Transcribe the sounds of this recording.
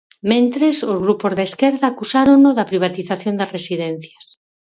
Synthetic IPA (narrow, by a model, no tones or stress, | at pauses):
mẽnt̪ɾesozɣɾupozðeskeɾðaːkusaɾonoðɐpɾiβ̞at̪iθaθjond̪ɐsresiðen̟θjas